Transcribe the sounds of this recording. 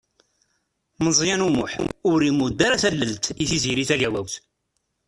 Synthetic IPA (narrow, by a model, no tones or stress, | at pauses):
məzˤjænumʊ̰ħʊɾimud̪ːaɾæθælːəlt̪iθiziɾiθæʝæwæwθ